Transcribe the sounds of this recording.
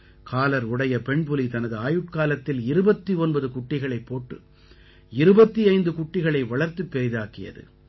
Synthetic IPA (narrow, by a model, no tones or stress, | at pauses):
kʰaːlɐɾʊɽɐjɐpɛɳpɯlit̪ɐnɐðɯaːjɯʈ̚kaːlɐt̪ːɪlɪɾɯbɐt̪ːiɔnbɐðɯkʊʈːɪɣɐɭɐɪpːoːʈːɯ | ɪɾɯbɐt̪ːiɐɪnd̪ɯkʊʈːɪɣɐɭɐɪʋɐɭɐɾt̪ːɯpːɛɾɪðaːkɪjɐ̰ðɯ̰